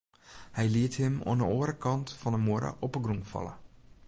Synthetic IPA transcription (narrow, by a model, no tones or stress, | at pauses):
hɛjliəthɪmwɔ̰ənəoːɾəkɑntfɔnəmoəɾə̰ʔɔpəɡruŋfɑ̰lə̰